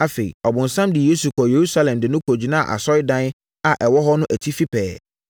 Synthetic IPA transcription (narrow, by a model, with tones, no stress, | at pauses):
a˨fe˨ḭ˨ɔ˨bʊ̃˨n̩˨sã˦mdɪ˨je˦su˨kʰɔ˨je˨ɾu˦sa˦lɛ̃˨mdɪ˨nʊ̃˦kʰo˨d͡ʑi˨nã˦˨ʔa̰˨sɔ˦ɪ˦dã˦n˦ | a˨ʔɛ˨wɔ˦ɦɔ˦nʊ̃˦ʔæ˨tʰi˦fi˦pʰɛ̰ː˨